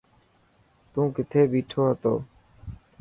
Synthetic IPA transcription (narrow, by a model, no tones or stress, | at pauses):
t̪ũːkɪt̪ʰeːbiːʈʰoːɦət̪o̰ː